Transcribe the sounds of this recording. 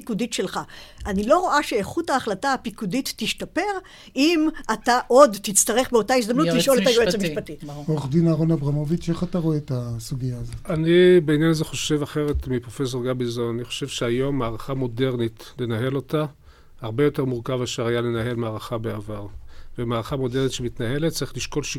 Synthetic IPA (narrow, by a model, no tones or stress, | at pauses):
kuditʃe̞lχaʔanilo̞ʁo̞ʔaʃe̞eχutaːχlataːpikuditːiʃtape̞ʁ | imataʔo̞dtit͡st̪aʁe̞χbeo̞taisd̪amnutliʃo̞letajoesamiʃpatioχdinaʁonabʁamovit͡ʃeχataʁoet̪asuɡijaːzotanibeinjanazeχo̞ʃe̞vaχe̞ʁetmipʁo̞fe̞s̬o̞ʁɡabizonaniχo̞̥ʃevʃeajo̞mːaːʁaχamo̞de̞ʁnitle̞naɦe̞lo̞ta | haʁbe̞jo̞te̞ʁmuʁkavaʃeʁajale̞naɦe̞lmaːʁaχabeavaʁvemaːʁaχamo̞deʁnit̪ʃemitnahe̞let̪̚t͡saɐʁiχliʃko̞lʃi